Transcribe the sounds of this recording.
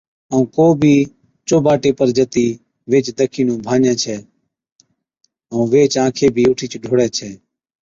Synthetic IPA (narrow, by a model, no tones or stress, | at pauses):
əũːkoːbʱiː | t͡ʃoːbaːʈeːpəɾd͡ʒət̪iː | ʋeːt͡ʃd̪əkʰiːnũːbʱãːɲɛ̃ːt͡ʃʰɛː | əũːʋeːt͡ʃãːkʰeːbʱiːʊʈʰiːt͡ʃɖʱoːɽɛːt͡ʃʰɛː